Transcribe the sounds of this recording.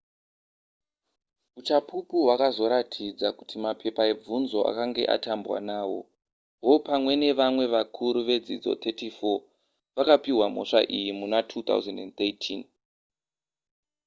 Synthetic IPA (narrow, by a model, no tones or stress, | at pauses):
ut͡ʃapʰupuɦwakazo̞ɾatʰid͡zaku̥tʰimapʰe̞pae̞b͡vunzo̞ʔa̰kaŋɡe̞̰ʔa̰tambwa̰naːwo̞̰ | wo̞pamwe̞ne̞ʋamwe̞ʋakʰuɾuʋe̞d͡zid͡zo̞̰t̪ʰetifo̞ | ʋakapiwam̤o̞̰ʂa̰ʔijimunatʰut̪a̰wzendent̪etʰin